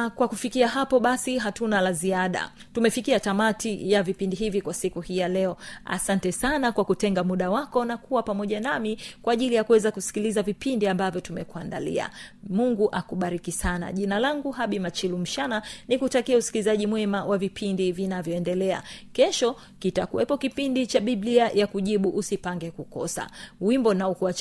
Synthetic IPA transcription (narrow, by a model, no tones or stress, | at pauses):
kwakufikiaɦapɔɓasiɦatunalaziaɗa̰ | tumɛfikiatamatijavipindiɦivikwasikuhijalɛɔa̰santɛsanakwakutɛŋɡamuɗawakɔnakuwapamɔʄanamikwaːʄilijakuwɛzakusi̥kilizavipindiambavjɔtumɛkuandalḭa̰muŋɡuʔakuɓaɾikisana̰ʄinalaŋɡuɦaɓimat͡ʃilum̩ʃananikutakiausi̥kilizaʄimwɛmawʔavipʰindivinavjɔɛndɛlɛa̰kɛʃɔ | kitakuwɛpɔkipindit͡ʃaɓiɓliajakuʄiɓuʔusipaŋɡɛkukɔ̰sa̰wimbɔnaukua